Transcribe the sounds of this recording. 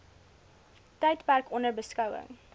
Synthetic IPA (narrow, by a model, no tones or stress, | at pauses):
tɛjtpærkɔnərbəskɐwə̰ŋ